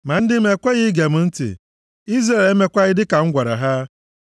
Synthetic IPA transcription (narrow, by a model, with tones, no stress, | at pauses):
ma˨n̩˦dɪ˦m̩˦e˨kʷe˦ɣɪ˦ɡe˨m̩˦n̩˦tɪ̰˨ | i˦zɾa˨le˦me˨kʷa˦ɣɪ˦dɪ˦ka˨ŋ̩˦ɡʷa˨ɾa̰˨ɦa˦